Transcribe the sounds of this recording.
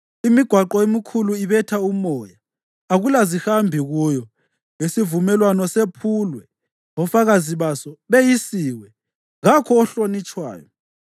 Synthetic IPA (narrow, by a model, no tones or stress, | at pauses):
imiɡ̥ʱwaǃɔemikʰuluiβɛtʰaumɔːjaː | ɣulazihambʱiɣujɔ | jesivumɛlwanɔsepʰulwɛ | ɣɔfaɣaziβasɔβejisiːwɛ | ɣakʰɔːɬonit͡ʃʼwa̰ːjɔ̰